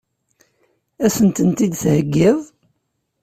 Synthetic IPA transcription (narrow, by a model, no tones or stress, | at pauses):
æsənt̪ənt̪id̪θhəɡːɪðˤ